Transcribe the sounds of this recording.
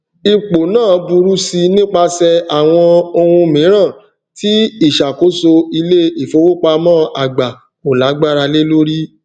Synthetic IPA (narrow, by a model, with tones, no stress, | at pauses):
i˧k͡po˨nãː˦˨bu˧ɾu˦si˧nĩ˦k͡pa˧sɛ˧a˨w̃ɔ̃˧o˧hũ˧mĩ˨˦ɾ̃ã˦˨ | ti˦i˦˨ʃa˨ko˨˦so˧i˧le˦i˨fo˨˧˦wo˦k͡pa˧mɔ̃ː˦ʔa˦˨ɡ͡ba˨ | o˨la˨˦ɡ͡ba˦ɾa˧le˦lo˦ɾi˦